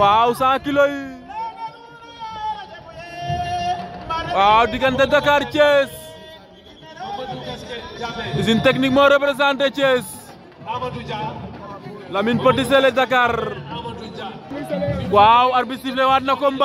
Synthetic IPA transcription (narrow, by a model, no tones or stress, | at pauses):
wawsãːkiloi | waːwdikant̪ɛdakaɾt͡ʃes | isint̪eknik̚moɾɛpɾɛs̬ant̪et͡ʃes | laminpoʈis̬elɛdak̬aɾ | wawaɾbist̪iflewatnakɔmba